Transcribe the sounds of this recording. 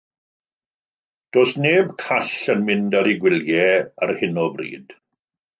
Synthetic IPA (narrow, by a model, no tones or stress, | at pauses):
d̥oːsneːbkʰaɬənmɪndaɾiɡwɪljɛarhɪnɔbrḭːd̥